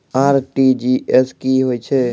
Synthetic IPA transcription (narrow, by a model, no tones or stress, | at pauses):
aːɾʈid͡ʒieskiɦoːit͡ʃʰe